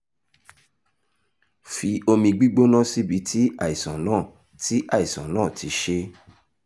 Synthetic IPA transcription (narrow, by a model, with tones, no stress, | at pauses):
fi˧o˧mĩ˧ɡ͡bi˦ɡ͡bo˦nã˦si˦bi˨˦tʰi˦a˦˨i˨sã˨nãː˦˨ | ti˦ʔa˦˨i˨sã˨nãː˦˨tʰi˨˦ʃe˦